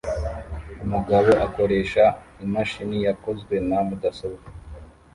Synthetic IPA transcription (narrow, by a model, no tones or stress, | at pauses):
umuɡaβo̞ʔako̞ɾe̞ːʃa | imaʃinijako̞zwe̞namudasoβ